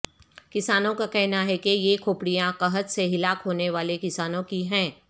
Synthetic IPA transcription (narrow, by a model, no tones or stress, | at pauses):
kɪsaːnõkakɛɦnaɦɛkejekʰoːpɽijãkɐɦət̪seɦɪlaːkɦoːneʋaːlekɪsaːnõkiɦɛ̃ː